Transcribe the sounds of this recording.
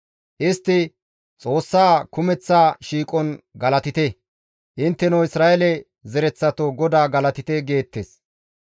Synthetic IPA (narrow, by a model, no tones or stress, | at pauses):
ʔɪst̪ːɪ | t͡sʼo̞ːsːaːkʊmɛt͡sːaːʃiːkʼɔnɡɐlɐt̪ɪt̪ɛ | ʔɪnt̪ːɛnɐwɪsɾaːʔɛlɛ | zɛɾɛt͡sːɐt̪oɡɔd̪aːɡɐlɐt̪ɪt̪ɛɡe̞ːt̪ːes